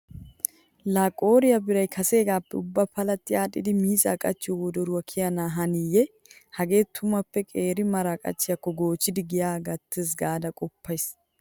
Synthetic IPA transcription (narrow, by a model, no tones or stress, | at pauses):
laːkʼoːɾɪjɐbɪɾɐjkʰɐse̞ːɡaːpːɛʊbːɐpɐlɐt̪ːɪjaːᶑɪd̪ɪmiːzʼɐ̰kʼɐt͡ʃːɪwɔwɔd̪ɔɾʊwɐkʰɪjɐnaːɦɐnɪjːɛ | hɐɡe̞ːt̪ʰːʊmɐpːɛkʼe̞ːɾɪmɐɾakʼɐ̰t͡ʃːɪjɐkːɔɡo̞ːt͡ʃːɪd̪ɪɡɪjaːɡɐt̪ːes̬ɡaːd̪ɐkʼɔpːɐjs